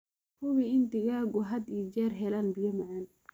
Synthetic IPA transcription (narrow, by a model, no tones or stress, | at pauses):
kʊwiɪnt̪ɪɣaːɣʊɦɐd̪iːd͡ʒɛːrɦɛlaːnbijɐmɐʕaːn